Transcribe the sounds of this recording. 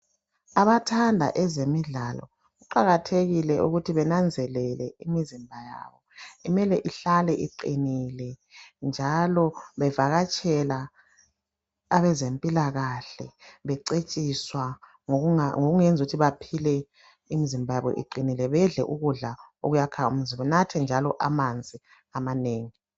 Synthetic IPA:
aβatʰandʱa̰ʔɛzemiɮalɔ̰ | ɣuǃaɣatʰeɣilɛʔuɣutʰiβɛnand͡zʱɛlɛlɛimizimbʱaja̰βɔimɛlɛʔiɬalɛʔiǃinilɛnd͡ʒʱalɔβɛvaɣat͡ʃʼɛla | aβɛzempʼilaɣaɬɛβɛǀet͡ʃʼiswa | ŋoɣuŋɛnd͡zʱuɣutʰiβapʰilɛ | imizimbʱajaβɔ̰ʔḭǃinilɛβɛɮɛʔuɣuɮao̰ɣujakʰaaum̩zimbɛnatʰɛnd͡ʒʱalɔʔamand͡zʱi | amaneːŋi

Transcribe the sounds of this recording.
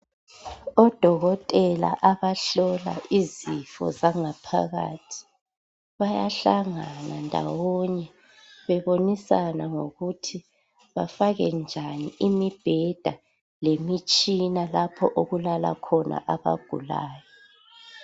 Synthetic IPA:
ɔd̥ʱɔɣɔtʼɛla̰ʔaβaɬɔla̰ʔizifɔ̰zaŋapʰa̰ɣa̰tʰi̥ | βajaɬaŋanandʱa̰wɔɲɛ | βɛβonisanaŋoɣutʰi | βafaɣɛnd͡ʒʱaniimib̥ʱɛd̥ʱa | lemit͡ʃʼinalapʰɔ̰ʔoɣulala̰kʰɔnʔa̰ʔaβa̰ɡ̥ʱṵla̰ːjɔ

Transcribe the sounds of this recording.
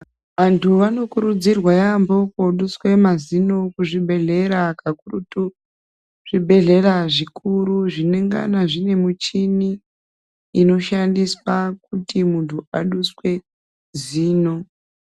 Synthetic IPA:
ʋantʰuʋano̞kuɾud͡zirwajambo̞koɗuswe̞mazino̞kuʐibʱe̞ɮe̞ɾakakurutu | ʐ̥ibʱe̞ɮe̞raʐikʰuɾuʐine̞ŋɡa̰naʐine̞mut͡ʃiniː | no̞ʃandiswakutimuntuaɗuswe̞ | ziːno̞

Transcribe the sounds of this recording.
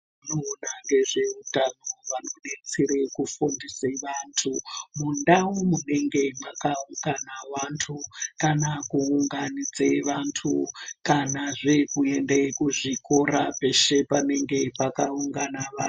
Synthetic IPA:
munoːnaŋɡe̞ʐe̞utanoʋano̞ɗet͡siɾekufundiseʋantʰumundaumune̞ŋɡe̞makauŋɡanaʋantʰukanakuːŋɡanid͡zeʋantʰukanaʐekue̞ndekuʐiko̞ɾape̞ʃe̞pane̞ŋɡe̞pakauŋɡanaʋa

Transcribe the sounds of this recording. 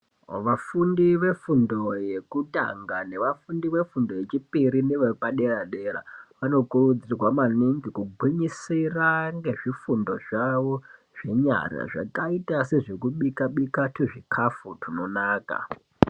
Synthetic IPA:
ʋafundiʋe̞fundo̞jekuta̰ŋɡane̞ʋafundiʋe̞fundo̞je̞t͡ʃipiɾineʋepaɗe̞raɗe̞ra̰ʋano̞kurud͡zirwamaniŋɡikuɡʱwiɲisiraŋɡe̞ʐifundo̞ʐaʋo̞ | ʐ̥e̞ɲa̰ra̰ʐa̰kaitase̞ʐekuɓikaɓikateʐikʰafutino̞naːka̰

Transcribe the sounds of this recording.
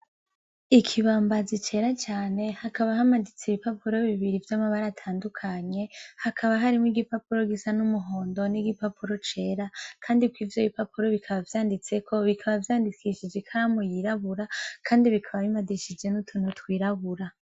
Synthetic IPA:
ikʰiβaːmbazit͡ʃe̞ːɾat͡ʃaːne̞hakaβaɦamadit͡siβipapuɾo̞βiβiɾivjamaβaɾaːtʰaːndukʰaɲe̞hakʰaβaɦaɾimŋiɡipapuɾo̞ɡisanumuɦo̞ːndo̞niɡipapuɾo̞t͡ʃe̞ːɾakʰaːndikwiːvjoβipapuɾo̞βikʰaβavjaːndit͡se̞kʰo̞βikʰaβavjaːndikʰiʃid͡ʒekʰaɾamojiɾaβuɾakʰaːndiβikʰaβaβimadiʃid͡ʒe̞nutʰunotwiːɾaβuɾa

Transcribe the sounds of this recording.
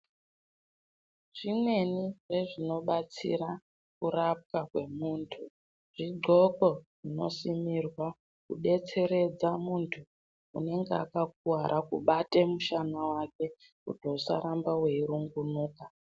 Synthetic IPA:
ʐ̥ine̞niʐe̞ʐino̞ɓat͡sḭɾa | kurap̚kakwe̞muːntʰu | ʐ̥iɡ͡ǃʱo̞ko̞ʐino̞̰simirwa | kuɗe̞t͡se̞ɾe̞d͡zamuntʰu | ṵne̞ŋɡea̰kak̚uwaɾʔakṵɓate̞muʃanawake̞ | kṵtousa̰ɾambawe̞iɾuŋɡunuːka

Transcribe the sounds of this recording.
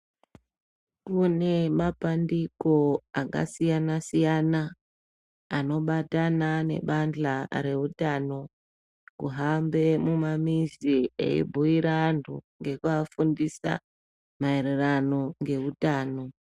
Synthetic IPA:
kune̞mapandiko̞aka̰sijanasijanaː | no̞ɓatanane̞̰ɓand͡ɮaɾe̞utano̞ | kṵɦambe̞mumamiziḛḭbʱuiɾantʰṵŋɡe̞kuafundisa̰ | mae̞ɾe̞rano̞ŋɡe̞ʋutaːno̞

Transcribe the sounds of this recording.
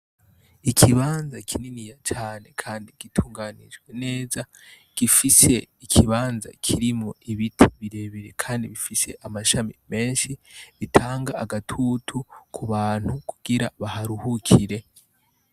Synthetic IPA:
ikʰiβaːnzakʰininijat͡ʃaːne̞kʰaːndiɡ̥itʰuːŋɡaːnḭʒɡwene̞ːza | ɡ̥ifise̞ikʰiβaːnza̰kʰiɾimoiβitʰiβiɾe̞βeɾe̞kʰaːndiβifise̞ʔamaʃamime̞ːnʃiβitʰaːŋɡaːɡatʰutʰukʰuβaːn̥hukʰuɡ̥iɾaβahaɾuhukʰiɾe̞

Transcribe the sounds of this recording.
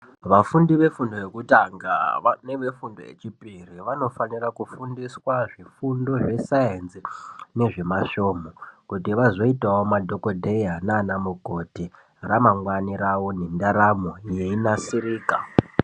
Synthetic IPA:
ʋafundiʋe̞fundo̞je̞kutaŋɡa̰ne̞ʋe̞fundo̞jḛt͡ʃipiriʋano̞fanirakufundiswaʐifundo̞ʐe̞saenzine̞ʐe̞maʃoːmokutiʋazo̞itawomadʱo̞kodʱejanaːnamukoti | ramaŋwaniɾawo̞nendaɾamo̞jeinasiɾiːka

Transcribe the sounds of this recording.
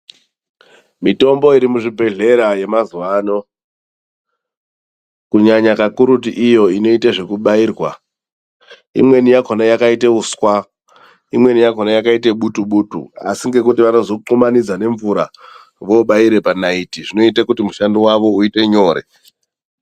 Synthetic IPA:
mito̞mbo̞iɾimuʐibʱe̞ɮe̞ɾaje̞mazuʋaːno̞ | kuɲaɲakakuɾutiʔijo̞ino̞itaʐe̞kuɓaiːrwa | ḭmwe̞nijakʰonajakaiteuskwa | imwe̞nijakonajakaiteɓutuɓuːtṵa̰siŋɡe̞kutiʋano̞zo̞ǃumanid͡zane̞ɱvuɾa | ʋo̞ːɓaiɾe̞panaitiʐino̞itakutimuʃandiwaʋo̞uite̞ɲo̞ːɾe̞̰

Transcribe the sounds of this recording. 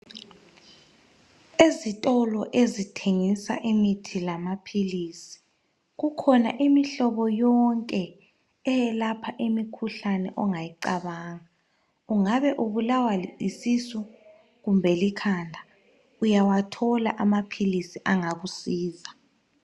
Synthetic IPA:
ezitʼɔlɔʔezitʰeŋisa̰ʔimitʰilamapʰiliːsi̥ | ɣukʰɔna̰ʔimiɬɔβɔjɔŋkʼɛ | ɛjɛlapʰaʔimikʰuɬanɛ̰ʔɔŋajiǃaβaːŋa | uŋaβɛʔuβulawaliisisu | ɣumbʱɛlikʰandʱa | ujawatʰɔla̰ʔamapʰilisiʔaŋaɣusiːza

